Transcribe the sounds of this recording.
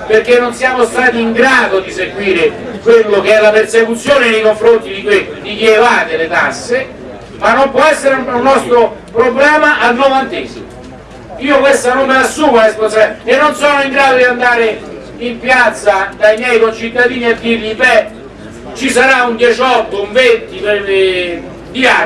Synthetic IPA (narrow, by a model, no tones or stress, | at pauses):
perkenːonsijaːmost̪aːt̪iːŋɡɾaːd̪od̪iseɡwiːɾekwelːok̟eɛlːapersekut̪sːjoːnenejkoɱfɾont̪id̪ikwed̪ik̟ievaːt̪elet̪asːe | manːompwɔɛsːeɾunːɔst̪ɾopɾoblɛːmaʔalnovant̪ezimo | iːokwest̪anommeasːuːmaɛsposɛenːonsɔnoiŋɡɾaːd̪od̪iand̪aːɾe | impjat̪sːad̪aimjɛjkont͡ʃit̪ːad̪iːniad̪ːirʎibɛ | t͡ʃisaɾaund̪jɛt͡ʃɔt̪ːouɱvent̪ipee | d̪ia